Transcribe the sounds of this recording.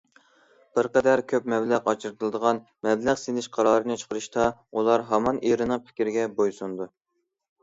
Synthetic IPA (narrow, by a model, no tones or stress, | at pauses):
b̥ɪɾqɛd̪æɾkʲʰøpmɛblæqɑt͡ʃʰɨɾɨt̪ʰɨlˠɨd̪əʁɑn | mɛblæʁsenɪʃqʰɑɾɑɾɨnɨt͡ʃʰə̥qəɾɨʃt̪ɑulˠɑɾɦɑmɑniɾɨnɨŋpʰɪ̥kʲɾɪɡʲɛbojsund̪u